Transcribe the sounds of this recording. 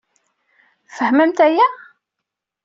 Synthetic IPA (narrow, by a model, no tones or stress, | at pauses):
fəhməmt̪æjæ